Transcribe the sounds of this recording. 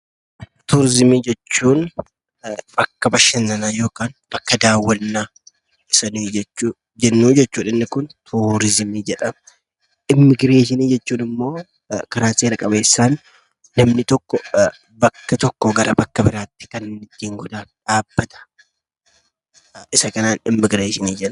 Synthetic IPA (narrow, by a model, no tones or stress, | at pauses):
t̪uːɾɪzɪmiːd͡ʒɛt͡ʃːuːn | bɐkːɐbɐʃɐnːɐnajo̞ːkaːnb̥ɐkːɐd̪aːwːɐnːaː | ɪsɐniːd͡ʒɛ | d͡ʒɛnːuːd͡ʒɛt͡ʃːuːᶑɐnːɪkʊnt̪ʰuːɾɪzɪmiːd͡ʒɛᶑɐm | ʔɪmːɪɡɾeːʃɪniːd͡ʒɛt͡ʃːuːnɪmːo̞ː | kɐɾaːseːɾɐkʼɐbeːsːaːnː | ɐmnɪt̪ɔkːɔ | bɐkːɐt̪ɔkːɔɡɐɾɐbɐkːɐbɪɾaːt̪ːɪ̥kɐnɪt̪ːiːŋɡɔd̪aːᶑaːb̥ːɐt̪ɐ̥ | ɪsɐkɐnaːnɪmːɪɡɾeːʃɪniːd͡ʒɛᶑɐ